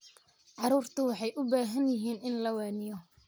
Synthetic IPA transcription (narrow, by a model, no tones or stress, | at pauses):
ʕɑɾuːrt̪ʰʊwɑħɑjʔʊbaːɦɐnjɪɦiːnɪnlɐwaːnɪjɔ